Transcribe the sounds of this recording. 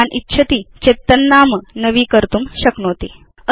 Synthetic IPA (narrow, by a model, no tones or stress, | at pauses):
anʔitːɕʰət̪iːt͡ɕet̪ːənːamənəʋiːkəɾt̪uːmɕəknoːt̪i | ə